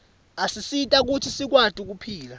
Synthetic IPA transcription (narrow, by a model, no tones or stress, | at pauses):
asisitʼak̬utʰisik̬watʼuk̬upʰiːla